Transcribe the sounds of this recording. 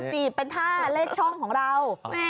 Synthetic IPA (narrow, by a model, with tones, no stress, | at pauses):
t͡ɕiː˨˩pe˧nt̪ʰaː˥˩leː˥˩t̪̚t͡ɕʰɔ˥˩ŋkʰɔː˩˦ŋɾa˧w